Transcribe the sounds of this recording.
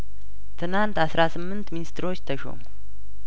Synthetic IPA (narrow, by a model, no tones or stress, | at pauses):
t̪ʰɨnant̪asɾasɨmːɨnt̪minist̪ʰɨɾo̞t͡ʃːt̪ʰəʃo̰mu